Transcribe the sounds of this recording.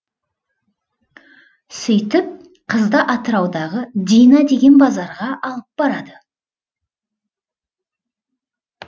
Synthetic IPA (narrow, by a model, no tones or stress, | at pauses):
sʏjt̪ɪp̚ | qʰəzd̪ɑʔɑt̪əɾɑwd̪ɑʁəd̪ʲijnɑd̪e̞ɡʲe̞nbɑzɑɾʁɑʔɑlˠəp̚b̥ɑɾɑd̪ə